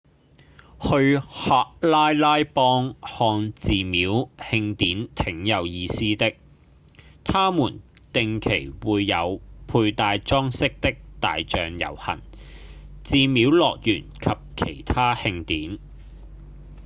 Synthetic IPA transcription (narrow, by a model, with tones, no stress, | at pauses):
hɵ˧ɥhaː˨˧k̚laː˥jlaː˥jpɔː˥ŋhɔː˧ŋt͡siː˨miː˨˥whɪ˧ŋt̪iː˨˥nt̪ʰɪ˨˥ŋjɐ˨˧wjiː˧siː˥t̪ɪ˥k̚ | t̪ʰaː˥muː˨˩nt̪ɪ˨˧ŋkʰe˨˩jwuː˨˧jːɐ˨˧wpʰuː˧jt̪aː˧jt͡sɔː˥ŋsɪ˥k̚t̪ɪ˥k̚t̪a̰ː˨jt͡ʃœː˨ŋjɐ̰˨˩whɐ̰˨˩n | t͡siː˨˧mi˨˥wlɔː˨k̚jyː˨˩nkʰɐ˨p̚kʰe˨˩jt̪ʰaː˥hɪ˧ŋt̪iː˨˥n